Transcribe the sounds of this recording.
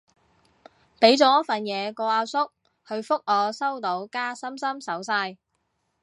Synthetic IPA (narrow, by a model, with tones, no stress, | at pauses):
pe˨˥jt͡sɔː˨˥jɐ˥tfɐ˨njɛː˨˧kɔː˧aː˧wsʊ˥k̚ | hɵ˧ɥfʊ˥k̚ʔɔː˨˧sɐ˥wt̪o˨˥wkaː˥sɐ˥msɐ˥msɐ˨˥wsaː˧j